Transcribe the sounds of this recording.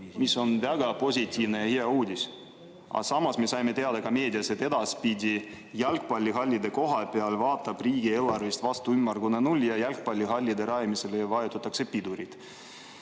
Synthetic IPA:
misːo̞nvæɡɑpo̞sʲit̪ʲːˑiːvne̞jɑheɑuːd̪ʲis | ɑ̰sɑmɑsme̞sɑjme̞t̪eɑd̪ɑkɑme̞ːd̪ʲiɑse̞t̪ːe̞d̪ɑspid̪ʲi | jælkpɑlʲːiɦɑlʲːid̪e̞ko̞ɦɑpe̞ɑlvɑːt̪ːˑɑb̥riːɡ̥ie̞ːlːɑrvist̪vɑst̪uymːɑrɡ̥unenulʲːjɑjælk̚pɑlʲːiɦɑlʲːid̪e̞ɾɑjmise̞lejɑvɑjut̪ːˑut̪ːˑɑkse̞pid̪uɾit̪

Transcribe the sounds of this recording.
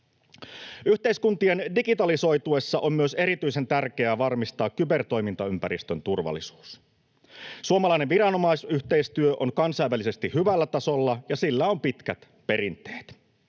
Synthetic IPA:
yht̪e̞iskunt̪ie̞ndikit̪ɑliso̞jt̪uesːɑʔommyøse̞ɾit̪yjse̞nt̪ærk̟e̞æʋɑrmist̪ɑːkkybe̞rt̪o̞jmint̪ɑympæɾist̪ønt̪urʋɑ̰lːˑisu̥ːs | suomɑlɑˑineʋʋiɾɑno̞mɑisyçt̪e̞ist̪yøʔonkɑnsɑjʋælise̞st̪ihyʋælːæt̪ɑso̞lːɑjɑsilːæo̞mpit̪kæt̪ | pe̞ɾint̪ˑe̥ːt̪

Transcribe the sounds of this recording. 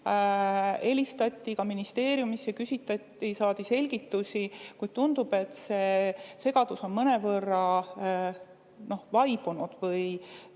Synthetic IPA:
e̞lʲist̪ɑt̪ʲːˑikɑminist̪e̞ːɾjumisːekysʲit̪ːˑɑt̪ːisɑːd̪̥ise̞lʲɡ̥it̪ːusʲikujd̪̥̚t̪und̪ub̥e̞t̪ˑse̞se̞ɡɑd̪̥uso̞nmɤne̞vɤrːɑ | no̞hvɑjb̥unud̪̥vɤj

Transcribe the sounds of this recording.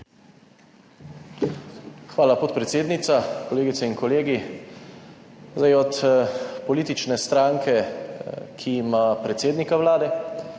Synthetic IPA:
xʋaːlapot̪pɾɛt̪seːd̪nit̪sakɔleːɡit̪sɛinkɔleːɡi | zajɔt̪pɔliːt̪it͡ʃnɛst̪ɾaːŋkɛ | kʰimapɾɛt̪seːd̪nikaʋlaːd̪ɛ

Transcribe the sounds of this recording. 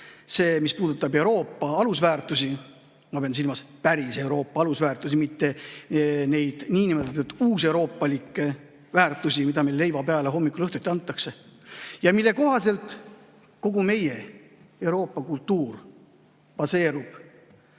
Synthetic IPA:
se̞ːmispuːd̪ut̪ːˑɑbe̞uɾo̞ːpˑːɑɑlusvæːrt̪ˑusi | mɑpeɑnsilmɑspæɾise̞uwɾo̞ːpːˑɑɑlusvæːrt̪ˑus̬imit̪ːe̞ | ne̞jd̪̥niːnimet̪ːɑt̪ːud̪uːse̞wɾo̞ːpːˑɑlikːˑe | væːrt̪ˑusimid̪ɑmejlle̞jvɑpeɑleɦo̞mːikːˑulɤht̪ut̪ʲːˑiɑnt̪ːˑɑkse̞jɑmilːe̞ko̞ɦɑse̞lt̪ˑ | ko̞ɡ̥ume̞je̞e̞wɾo̞ːpːˑɑkult̪ːuːr | pɑse̞ːɾub̥

